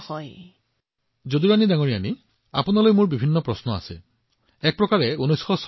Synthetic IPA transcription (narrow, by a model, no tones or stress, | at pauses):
hɔj | zod̪iɹanidaŋoɹiani | a̰punalojmuɹbibʱinːɔpɹɔsnɔa̰se | ɛk̚pɹɔkaɹɛunɔjsxɔs